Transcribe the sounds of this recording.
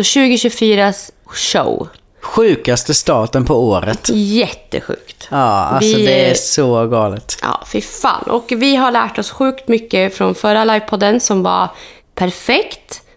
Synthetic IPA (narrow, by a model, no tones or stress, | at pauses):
ɔɕʉ̟ːɡɪɕʉfyːɾasʂə̰w | ɧʉ̟ːkast̪əst̪ɑːt̪ənpʰɔoːɾə̰t̪jɛt̪ːə̰ɧʉ̟̰ːkt̪ɑːa̰lvɪsɔd̪ɛæsɔɡɑːlɪt̪ʔɑ̰ːfɪfa̰ːnʔɔ̰kvɪɦaɭæːʈɔsɧʉ̟ːkt̪mʏkːəfɾɔnfœɾalajvpʰɔd̪ənsɔmva̰ | pʰæɾfɛkt̪